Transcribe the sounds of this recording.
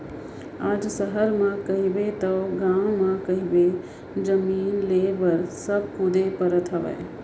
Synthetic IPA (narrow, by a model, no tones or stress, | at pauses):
aːd͡ʒsəɦəɾmãkɐɦibet̪ɐwɡãːwmãkɐɦibe | d͡ʒəmiːnleːbəɾsəb̚kʊd̪epəɾət̪ɦəʋɛ̰